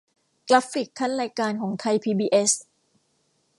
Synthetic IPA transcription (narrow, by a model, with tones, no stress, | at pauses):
kla˦˥fi˨˩kʰːa˦˥˩nɾaː˧jkaː˧nkʰɔː˩˦ŋt̪ʰa˧jpʰiː˧biː˧ʔe˦˥s